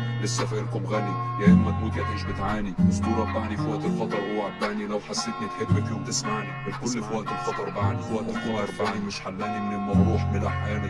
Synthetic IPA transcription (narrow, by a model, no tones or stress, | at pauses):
lesːæfæʔelkobɣælijæʔelmæt̪muːt̪jaʔmːʃbɪt̪ʕaːniʊst̪uːɾˤæbbaʕnifwæʔt̪elxɑt̪ˤɑɾˤwhowːæʔæbb̪aʕnilæwħasːet̪nit̪ħebːæfjoːmt̪ɪsmaʕnimenkʊlːfwæʔt̪elxɑt̪ˤɑɾˤbaʕnifwæʔt̪ekɑɾˤbaʕnimɪʃħalːæːnimɪnelmæɣɾˤuːħmɪlʔaħjæːni